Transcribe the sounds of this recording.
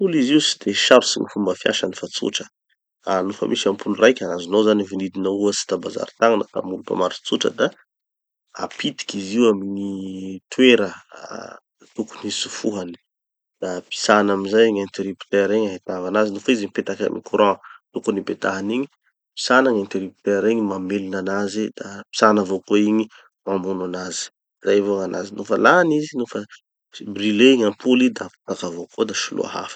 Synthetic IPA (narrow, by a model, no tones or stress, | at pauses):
uliziusi̥d̪eʃaɾusiɲifumbəfia̰ʃənifat͡sṵʈ͡ʂə̥ | anufə̰mʔiʃiampʰulurajkʲanazinozanivinid̪inəuəsi̥t̪abaza̰ɾit̪aŋanət̪a̰mulupa̰maɾi̥t͡suʈ͡ʂə̰d̪a | a̰pit̪i̥kiziwaminit̪weɾə | t̪uku̥nisu̥fuɦani̥ | d̪̥api̥sanamizajŋent̪eɾipi̥t̪eɾeɲaɦit̪avanazinufizimipet̪aka̰mḭkuɾɔ̃t̪ukunipet̪aɦaniɲi̥ | pi̥sanaŋent̪eɾipi̥t̪eɾeɲimamelinanazid̪api̥sanavokoiɲi | mamunanazi̥ | zajvoŋana̰zinufə̰lanizinufə | brileɲampulid̪api̥t̪akavokod̪aʃulṵa̰ɦa̰fə̥